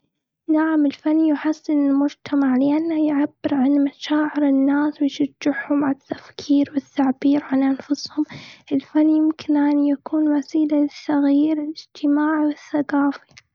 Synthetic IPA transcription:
naʕamɪlfanːijħasːɪnɪlmʊd͡ʒt̪ʰamaʕlɪʔanːajʕabːɪɾʕanmaʃaːʕɪɾɪnːaːswɪjʃad͡ʒːɪħhʊmʕat̪ːḁfkʰiːɾwɪt̪ːaʕbiːɾʕanʔanfʊshʊmʔɪlfanːijɪmkɪnʔaːnijakuːnwasiːlalɪsːɑɣiːɾɪlʔɪd͡ʒt̪ʰɪmaːʕwɪθːaqaːfi̥

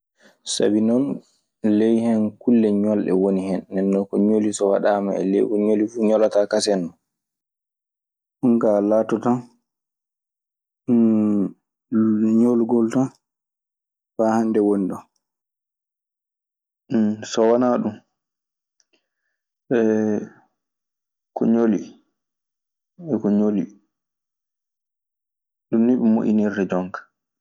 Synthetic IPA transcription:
sa̰binɔn | lejhɛnkulːɛɲɔlɗɛ̰wonihɛnːɛnːɔkɔɲolisɔwa̰ɗaːma̰ɛ̰lḛjɡɔɲolifuɲɔlatakasɛnːɔ | ʔuŋɡalaːtɔtan | ɲolɡɔlta | faːhandɛwoniɗɔ | sɔwanaɗum | ɓɛ | kɔ̰ɲoli | ɛkɔɲoli | ɗunːiɓɛmṵʔinirdɛd͡ʒɔŋkḁ

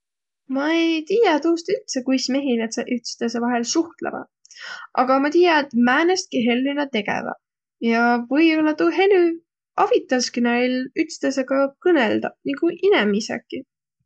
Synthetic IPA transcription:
mɑejt̪iːjɑt̪uust̪yt̪sekujsme̞ɦinet̪seʔyt̪st̪esevɑɦe̞lsuht̪lḛmɑ̰ | ʔɑɡ̥ɑmɑt̪iːjɑet̪mæːnest̪̚kiɦe̞lːinɑt̪e̞ɡḛvɑ̰ | jɑvɤjo̞lːɑt̪uɦe̞ly | ɑvit̪ːˑɑskynɑjlyt̪st̪esekɑkɤneld̪̥ɑniɡuʔinemisḛkːˑi

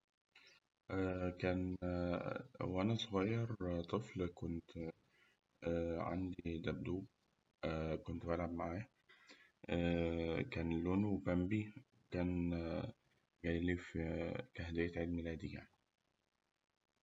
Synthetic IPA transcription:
ʔækæːn | wʔænæsˤoɣɑjːɑɾt̪ˤɨflkont̪ | ʕa̰nd̪id̪æb̚d̪uːb̚ | kont̪bælʕabmaʕaːj | ækæːnlːonwbæmbi | kæːn | ɡæjlifikæhd̪ejæt̪ʕeːd̪milæːd̪ija̰ʕni̥

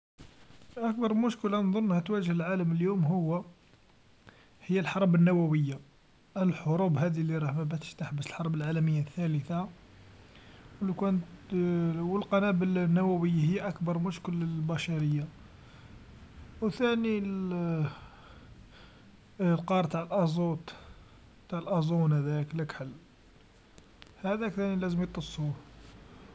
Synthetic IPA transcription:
ʔæk̚bɑɾˤmʊʃkəland̪ˤonːhæt̪wæʒəhəlʕaləməljumɦʊwːæ | həjːælħɑɾˤbənːæwæwəjːa | ʔlħoɾubhæd̪iliɾˤɑhmæbæt̪əʃt̪aħbəsəlħɑɾˤbəlʕalæməjːaθːæləθa | wlikænət̪ | wəlqɑnæbəlnːæwæwəjːahəjːʔækbɑɾˤmʊʃkəlːəbæʃɑɾəjːa | wθænil | lqɑɾˤt̪aʕəlʔɑzˤut̪ˤ | t̪aʕəlʔɑzˤunhæd̪ækləkħəlː | hæd̪ækθænilæzəmjət̪ˤːəsˤːu

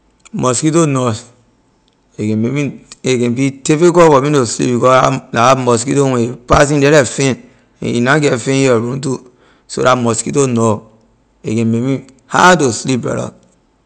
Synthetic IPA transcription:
moskitonos | ekememiekẽbitefekowominoslḭbikɔamoskitoweepas̬indeɾefen̰ | ḭnaɡefeoɾũntu | so̰ɾamoskitono | ḛkememi | ha̰toslipɾḛɾo̰

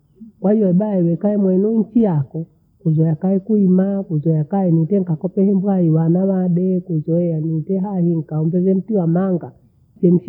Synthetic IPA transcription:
kwahijɔɛɓaɛwɛkaɛmwɛnuɲ̩t͡ʃijakɔ | kuzɔjakaɛkuimakuzɔjakaɛnitɛŋ̩kakɔpɛhɛmbuaiwanawaɗɛkuzɔɛanitɛɦahiŋ̩kaɔmbɛzɛm̩tiwamaŋɡa | pɛniʃ

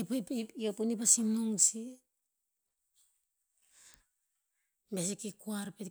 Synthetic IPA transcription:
epjopunipasimnuŋsi | mes̬ikikuaɾpet

